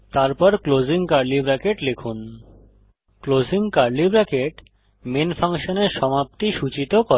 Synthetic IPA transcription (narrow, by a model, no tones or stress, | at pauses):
t̪aɾpɔɾklod͡ʑiŋkaɾlibɾɛkeʈlekʰun | klod͡ʑiŋkaɾlibɾɛkeʈ | menfʰaŋʃoneɾʃɔmap̚t̪iʃut͡ɕit̪okoe